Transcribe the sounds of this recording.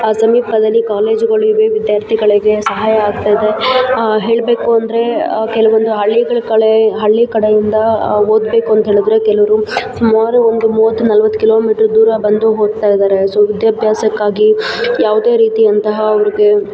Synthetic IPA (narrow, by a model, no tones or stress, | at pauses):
asɐmiːpɐd̪ɐlːikaːle̞ːd͡ʒɡɐɭuiʋeːʋid̪jaːɾt̪ʰiɡɐɭiɡe̞sɐɦaːjɐːɡ̚t̪ajd̪e̞ɦe̞ːɭbe̞ːkuɐnd̪ɐɾe̞kɛlɐʋond̪uɦɐɭːiɡɐɭkɐɭeɦɐɭːikɐɽejind̪ɐoːd̪beːkuɐnt̪ɦeːɭid̪ɾekɛlɐʋɐɾusumaːɾuond̪umuːʋɐt̪ːunɐlʋɐt̪ːu̥kilo̞ːmiːʈɐɾd̪uːɾɐbɐnd̪uɦoːɡ̪̚t̪aːjid̪aːɾe̞soːʋid̪jɐbʱjaːsɐkːaːɡijaːʋud̪e̞ːɾiːt̪iɐnt̪ɐɦɐːʋɐɾiɡe̞